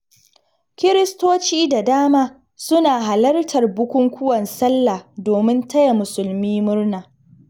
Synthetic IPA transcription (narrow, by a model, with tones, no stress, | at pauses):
kʲɪ˦ɾɪ˦stoː˦t͡ʃiː˦da˨daː˦maː˦ | sʊ˦naː˨ɦa˨lɐ˦rtʰɐ˨rbʊ˦kʷʊ˦ŋkʷʊ˦wɐ˨nsɐ˦lːaː˨doː˨mɪ˦ntʰɐ˦ja˨mʊ˨sʊ˨lmiː˦mʊ˦rnaː˨